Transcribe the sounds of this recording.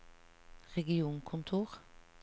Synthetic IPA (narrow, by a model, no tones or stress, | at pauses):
ʁɛɡɪuːnkʰʊnt̪ʰuːʁ